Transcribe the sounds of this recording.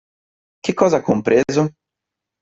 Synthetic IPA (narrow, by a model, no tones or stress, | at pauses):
kɪkɔzɐkõmpɾʔezʊ